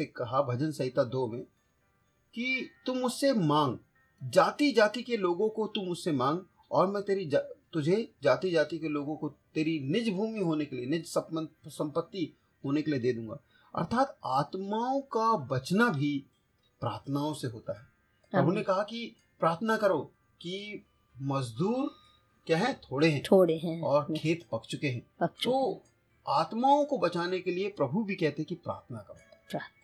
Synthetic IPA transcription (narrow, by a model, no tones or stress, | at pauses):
ekɐɦabʱɐd͡ʒənsɐɪt̪ad̪oːmẽ | kit̪umʊd͡ʒsemãːŋɡ | d͡ʒaːt̪id͡ʒaːt̪ikeloːɡõkot̪umʊd͡ʒsemãːŋɡ | ɔːɾmɛ̃t̪eːɾid͡ʒt̪ʊd͡ʒʱed͡ʒaːt̪id͡ʒaːt̪ikeloːɡõkot̪eːɾinɪd͡ʒbʱuːmiɦoːnekelienɪd͡ʒsəəsɐ̃mpət̪ːi | ɦoːnekelied̪eːd̪ũːŋɡa̰ː | ɐ̰ɾt̪ʰaːt̪aːt̪maːõkabɐt͡ʃnabʱi | pɾa̰ːɾt̪ʰnaːõseɦoːt̪aɦɛː | pɾɐbʱunekɐɦaki | pɾaːɾt̪ʰnakɐɾoː | ki | mɐzd̪uːɾ | kjaːɦɛ̃t̪ʰoːɽeɦɛ̃ːoɽeɛ̃ɔːɾkʰeːt̪pɐkʰt͡ʃʊkeɦɛ̃ːɐʃt̪o | aːt̪maːõkobɐt͡ʃaːnekeliepɾɐbʱubʱikɛɦt̪eɦɛ̃kipɾa̰ːɾt̪ʰnakɐɾoʃa